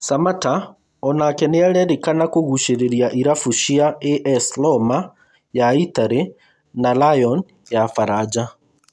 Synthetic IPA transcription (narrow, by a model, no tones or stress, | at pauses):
samata | ɔnakɛneaɾɛɾekanakoɣuʃeɾeɾjaʔiɾafuʃiaeʔɛslɔma | jaitaɾe | nalajɔn | jafaɾad͡ʑa